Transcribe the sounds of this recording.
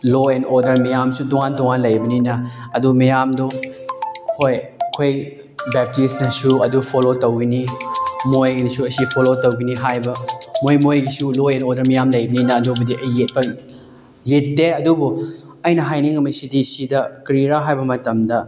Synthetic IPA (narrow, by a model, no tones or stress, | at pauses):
loenoɾdɐɾmijamsutuŋantɔŋanlɐjbɐninɐɐdumɐjamdo | hojɐkʰoj | bɛp̚tisnɐsuɐdupʰolotɐwɡinimojɡinɐsuɐsipʰolotɐwɡiniɦajbɐmojmojɡisuloenoɾdɐɾmɐjamlɐjbɐninɐːdubɐdiʔɐjːet̚pɐ | jetːeɐdubu | ɐjnɐɦajniŋɐmɐsidisidɐkɾiɾaɦajbɐmɐtɐmdɐ